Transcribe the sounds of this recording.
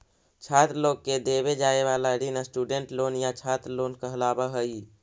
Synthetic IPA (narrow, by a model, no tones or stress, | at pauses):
t͡ʃʰat̪ɾloɡked̪eβed͡ʒaeβalaɾinəsʈuɖeɳʈlonjat͡ʃʰat̪ɾlonkəɦlabəɦəi